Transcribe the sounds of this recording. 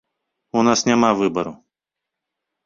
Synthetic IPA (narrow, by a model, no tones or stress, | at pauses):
unasnʲɪmavɨbɐɾʊ